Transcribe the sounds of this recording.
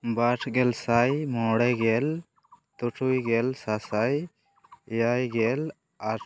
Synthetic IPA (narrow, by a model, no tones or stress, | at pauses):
baʈʰɡɛlsajmɔɽɛɡɛl | t̪uʈʰujɡɛlsasaj | jajɡɛl | aɾ